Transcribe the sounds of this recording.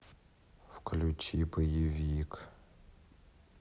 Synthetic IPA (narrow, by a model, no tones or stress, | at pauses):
fklʲut͡ʃʰipɐjɪvʲik